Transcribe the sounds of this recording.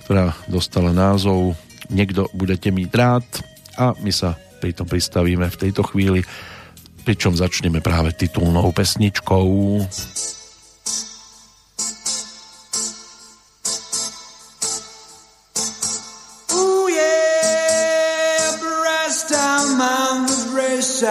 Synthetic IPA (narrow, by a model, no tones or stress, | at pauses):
kt̪ɔɾaːd̪ɔst̪alanaːzɔʊ | ɲɛɡd̪ɔbuɟɛcɛmiːɟɾaːt̪ | ʔamisa | pɾit̪ɔmpɾist̪aʋiːmɛft̪ɛjt̪ɔxʋiːli | pɾit͡ʃɔmzat͡ʃɲɛmɛpɾaːʋɛt̪it̪ulnɔʊpɛsɲit͡ʃkɔʊ | ujɛ | bɹɛsdamanɹɛʃ